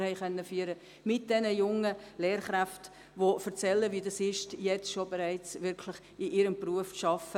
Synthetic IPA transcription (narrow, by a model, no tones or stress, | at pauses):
hɛɪχœnːəfyːəɾə | mɪt̚d̥ɛnəjʊŋːəleːɾχɾaft | ʋofəɾt͡sɛlːəʋiːdɑsɪʃtjɛt͡sʃobɛɾæɪt͡sʋɪɾkʰlɪχ | ɪʔɪɾəmpruəfʃɑfə